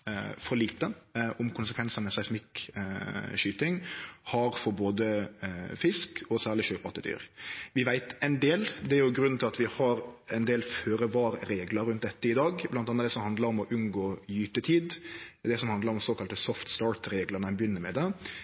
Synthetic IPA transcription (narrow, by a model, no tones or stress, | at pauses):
fɔɾɭiːt̪əʊmkʰʊnsəkʰʋɛnsənmɛsɛɪsmɪk | ʃyːt̪ɪŋhɑɾfɔɾboːd̪əfɪskʰɔsæːʁlɪʃøːpɑt̪əd̪y̰ːɾʋɪʋæɪt̪ɛɪnd̪eːld̪ɛæɾjʊɡɾʉnn̩ʰɪlɑt̪ʋɪhɑɾɛɪnd̪eːlføːɾəʋɑːɾɾeːɡləɾːʉnt̪̚d̪ɛt̪ːəɪd̪ɑːɡblɑnt̪ɑnəɑd̪ɛsɔmhɑnd̪ləɾɔmɔʔʉnɡoːjyːt̪ət̪ʰiːd̪d̪ɛsɔmhɑnd̪əɾɔmsoːkɑlt̪əsɔft̪st̪ɑːɾt̪ɾeːɡlənəbjʏnːəmɛd̪ɛ